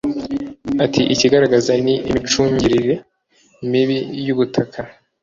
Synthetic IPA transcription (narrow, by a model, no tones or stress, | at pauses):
atʰiʔiciɡaɾaɡazaniʔḭmit͡ʃuːɲɟiɾiɾe̞ | imiβijuβutʰakʰa